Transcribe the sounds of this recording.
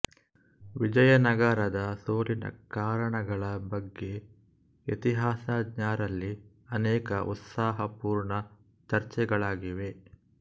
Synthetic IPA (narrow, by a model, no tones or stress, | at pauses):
ʋid͡ʒɐjɐnɐɡɐɾɐd̪ɐsoːlinɐ̰kaːɾɐɳɐɡɐɭɐbɐɡːe̞ | et̪iɦaːsad̪ɲaːɾɐlːi | ɐnɛːkɐʔṵt̪saːɦɐpuːɾɳɐ | t͡ʃɐɾt͡ʃɛɡɐɭaːɡiʋe̞